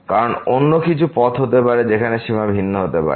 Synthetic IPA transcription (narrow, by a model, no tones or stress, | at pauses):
kaɾononːokit͡ɕʰupɔt̪ɦot̪epaɾed͡ʑekʰaneʃimabʱinːoɦot̪epa̰ɾe